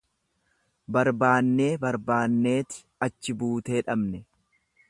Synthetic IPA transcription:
bɐɾbaːnːe̞ːbɐɾbaːnːe̞ːt̪ɪ̥ | ɐt͡ʃːɪbuːt̪e̞ːᶑɐbnɛ

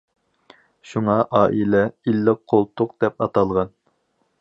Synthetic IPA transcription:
ʃuŋɑʔɑːʔilɛilːɪqʰːolˠt̪ʰʊqd̪̥ɛpɑt̪ɑlˠʁɑn

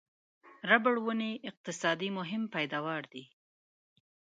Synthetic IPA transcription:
ɾabəɽwəneʔɪq̚t̪ɪsɑd̪imʊɦɪmpajd̪ɑwɑɾd̪i

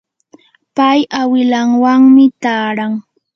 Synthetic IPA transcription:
pajawɪlaŋwaŋmɪt̪aːɾaŋ

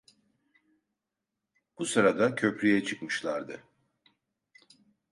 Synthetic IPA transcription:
b̥usɯɾad̪acʰøpɾʲyjɛt͡ʃʰɯkmɯʃlˠaɾd̪ɯ

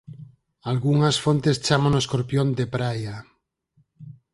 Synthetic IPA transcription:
alɣuŋasfont̪est͡ʃamanoskoɾpjond̪epɾaja

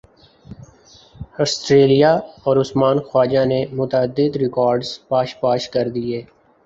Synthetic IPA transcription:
ɔːsʈɾeːlijaɔːɾʊsmaːnxwaːd͡ʒanemʊt̪əd̪ːɪd̪ɾɪkɔːɾɖz̥paːʃpaːʃkɐɾd̪ieː

